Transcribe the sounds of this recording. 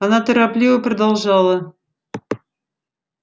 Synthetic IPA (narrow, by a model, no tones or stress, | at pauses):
ɑnɑt̪eɾɑplʲivəp̆rd̪ɑlˠʒɑlˠə